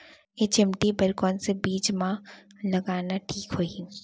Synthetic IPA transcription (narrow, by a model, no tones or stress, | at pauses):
jet͡ʃɪmʈibɐɾkɔːnsebiːd͡ʒmãlɐɡaːnaʈʰiːkɦoi